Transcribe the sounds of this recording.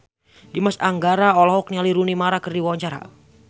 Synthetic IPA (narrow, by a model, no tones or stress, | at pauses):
dimasaŋɡaɾaɔlɔɦɔk̚nialiɾunimaɾakɨrdiwawaɲt͡ʃaɾa̰